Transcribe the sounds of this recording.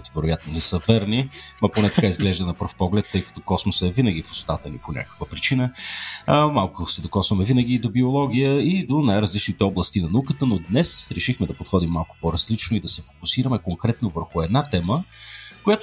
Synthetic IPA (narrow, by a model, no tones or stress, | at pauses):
kʊit̪ʊvɛɾojat̪nonɛsəvɛɾnimɐponɛt̪ɐkaizɡlɛʒd̪ənɐpəɾfpɔɡlɛt̪ːɤjkɐ̥t̪ɔkɔsmosɛvinəɡ̟ʲifo̥st̪at̪ənḭponʲa̰kə̥kvəpɾit͡ʃinə | malˠkʊsɛd̪okɔsvɐmɛvinəɡʲid̪obiolˠɔɡʲijəid̪onajɾɐzlit͡ʃnit̪ɛɔblˠəst̪inɐnɐukət̪ənod̪nɛsɾɛʃixmɛd̪ɐpot̪xɔd̪imːalˠkʊ̥pɔɾɐzlit͡ʃnoid̪ɐsɛfo̥kʊsiɾəmɛkoŋkɾɛt̪novəɾxʊɛd̪nat̪ɛməkojat̪